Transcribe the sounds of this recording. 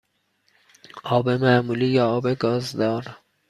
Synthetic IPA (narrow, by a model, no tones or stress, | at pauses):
ʔɒːbe̞mæːmulijɒːɒːbeɡɒːzd̪ɒːɾ